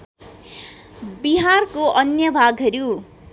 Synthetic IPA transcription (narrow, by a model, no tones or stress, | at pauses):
biɦarkoʔʌnjʌbʱaɡɦʌɾju